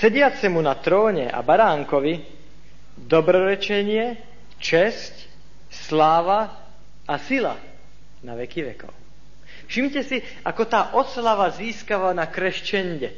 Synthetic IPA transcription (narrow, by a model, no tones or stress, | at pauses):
sɛɟɪat͡sɛmunat̪ɾɔːɲɛʔa̰baɾaːŋkɔʋi | d̪ɔbɾɔɾɛt͡ʃɛɲɪɛ | t͡ʃɛsc | slaːʋa | asila̰ | naʋɛkiʋɛ̰kɔ̰ʊ | fʃimcɛsi | akɔt̪aːʔɔslaʋaziːskaʋanakɾɛʃt͡ʃɛɲɟɛ